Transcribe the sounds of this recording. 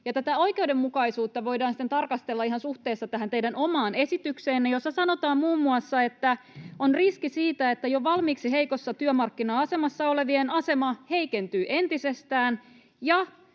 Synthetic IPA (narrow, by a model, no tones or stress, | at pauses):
jɑt̪æt̪æo̞ike̞uwde̞mːukɑisuːt̪ːɑʋo̞jdɑːnsi̥t̪ent̪ɑrkɑst̪elːɑiɦɑnsuht̪eːsːɑt̪æɦænt̪eijdæno̞mɑːne̞sit̪ykseːnːejo̞sːɑsɑno̞t̪ɑːmmuːmːuɑsːɑe̞t̪ːæonriskisiːt̪æe̞t̪ːæjoʋɑlmiːksiɦe̞iko̞sːɑt̪yømɑrkːinɑːɑse̞mɑsːɑo̞le̞ʋienɑse̞mɑhe̞ike̞nt̪yːʔe̞nt̪ise̞st̪æːn | jɑ